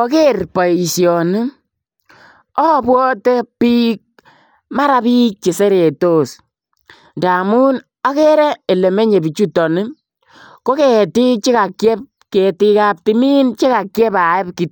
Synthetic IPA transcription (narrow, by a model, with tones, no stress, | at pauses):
ɔ˦ke˦rpɔ˨sjɔ˨ni˦ | ɔ˦˨bwɔ˦te˦pi˦k̚ | ma˦ɾa˦piː˦k̚t͡ʃe˨se˦ɾe˨to˦s | nda˨mu˦n | ɔ˦ke˦ɾɛ˦e˨le˨me˦ɲe˨bi˨t͡ʃu˦tɔ˨nɪ˦ | ko˦ke˨ti˦t͡ʃi˦ka˨kjɛ˦p | ke˨ti˦ka˦p̚ti˨mi˦nt͡ʃe˦ka˨kjɛ˦pa˨e˦pki˨t